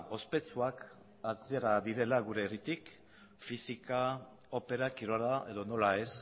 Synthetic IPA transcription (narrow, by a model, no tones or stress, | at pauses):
o̞spe̞t͡suak | ast̪ieɾaðiɾe̞laɣuɾe̞ːrit̪ik | fisika | o̞pe̞ɾakiɾoɾae̞ðo̞no̞lae̞s